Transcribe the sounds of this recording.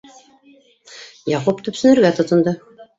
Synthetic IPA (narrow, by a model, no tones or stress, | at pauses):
jɑqopt̪ɵ̆psɵ̆nɘ̆ɾɡæt̪ŏt̪ɤ̆nd̪ɤ